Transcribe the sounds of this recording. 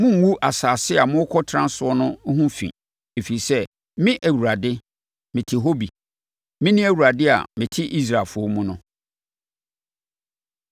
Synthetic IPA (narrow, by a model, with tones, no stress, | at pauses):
mʊ̃˦ŋ̩˨˦wu˦ʔa˨saː˨sɪ˦a˨mʊ̃˦kʰɔ˦tʰɾã˦n˦sʊ˦ɔ˦nʊ̃˦hũ˦fḭ̃˨ | e˨fi˨i˨sɛ˦ | mɪ̃˦ʔæ˨wu˨ɾa˨dɪ˦ | mɪ̃˨tʰɪ˨ɦo˦bi˨ | mɪ̃˦nĩ˦æ˨wu˨ɾa˨dɪ˦a̰˨mɪ̃˨tʰɪ˦ʔi˦s̬ɾa˨lfʊ˦ɔ˦mũ˦nʊ̃˦